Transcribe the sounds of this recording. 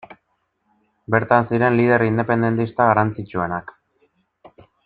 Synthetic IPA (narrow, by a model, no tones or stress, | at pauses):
be̞ɾt̪ansiɾe̞nlið̞e̞ɾind̪epe̞nd̪e̞nt̪ist̪aɣaɾant͡sit͡ʃue̞nak